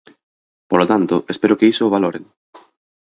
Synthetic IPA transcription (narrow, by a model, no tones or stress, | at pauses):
polot̪ant̪ʊʔespeɾʊkeisoːβ̞aloɾḛŋ